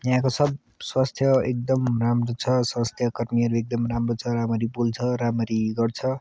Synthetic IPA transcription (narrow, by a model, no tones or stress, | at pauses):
jãkosʌb | swast̪ʰjʌek̚d̪ʌmramrot͡sʰʌswast̪ʰjʌkʌɾmiʌɾuek̚d̪ʌmramrot͡sʰʌɾamʌɾipult͡sʰʌɾamʌɾiɡʌrt͡sʰʌ